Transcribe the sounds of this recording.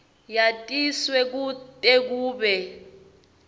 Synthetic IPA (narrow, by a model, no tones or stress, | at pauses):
jatʼiswɛk̬utʼek̬uːɓɛ